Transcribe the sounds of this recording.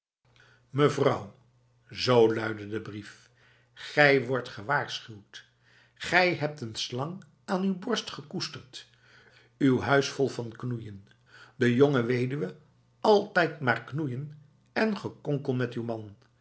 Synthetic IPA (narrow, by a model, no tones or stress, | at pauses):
məvrʌw | zowlœɥdədəbrif | χɛjʋɔɹtχəʋaːɹsχywt | χɛjɦɛp̚tənslɑŋ | aːnywbɔɹstχəkustəɹt | ywɦœɥsfɔlˠvɑnknujən | dəjoŋəʋejdyʋə | ɑlˠtɛjtmaːɹknujən | ɛnχəkɔŋkəlˠmɛtywmɑn